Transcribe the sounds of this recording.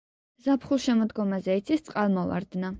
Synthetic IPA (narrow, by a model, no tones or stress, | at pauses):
zapʰχulˠʃɛmɔd̪ɡɔmazɛit̪sʰist̪sʼqʼalˠmɔva̰ɾd̪na